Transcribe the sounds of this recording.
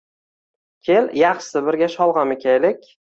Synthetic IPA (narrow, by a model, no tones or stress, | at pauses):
kʲʰeljɑχʃsɪbɪɾɡʲaʃɒlˠʁɑmekʲʰajlɪkʲ